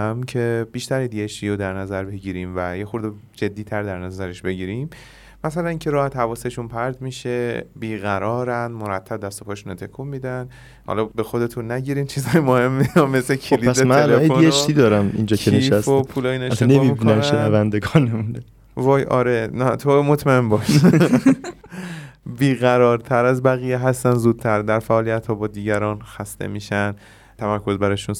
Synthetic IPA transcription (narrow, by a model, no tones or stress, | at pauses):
mcʰe̞biːʃt̪æɾed̪ieʃt̪ʰijod̪æɾnæzæɾbe̞ɟiːɾiːmvæjexuɾd̪ed͡ʒe̞d̪ːiːt̪ʰæɾd̪æɾnæzæɾe̞ʃbe̞ɟiːɾimː | æsælæniːŋcʰeɾɒːhæt̪hævɒːseʃunpʰæɾd̪miʃe̞biːɣæɾɒːɾænd̪moɾæt̪ʰːæb̚d̪æst̪o̞pʰɒːʃunot̪ʰe̞kʰumːiːd̪æn | hɒ̰lɒbexo̞d̪e̞t̪ʰunːæɟiːɾiːmt͡ʃʰiːzɒːjemohe̞mːiɒmeslekʰilisemæneælefedonieeʃt̪iːd̪ɒːɾæmind͡ʒɒːcʰeneiʃæfsopʰuːlɒːjinet̪enemimibikːnænnʃenævænd̪eɡɒːnemund̪e | vɒːjɒ̰ːɾenæt̪ʰomot̪ʰmæenbɒːʃ | biːɣæɾɒːɾt̪ʰæɾæzbæɣiːjeɦæst̪ænzuːd̪̥̚t̪ʰæɾd̪æɾfæʔːlijæt̪hɒːbɒːd̪iːɟæɾɒːnxæst̪ḛmiːʃænd̪ | t̪ʰæmæɾkʰo̞zbæɾɒjʃun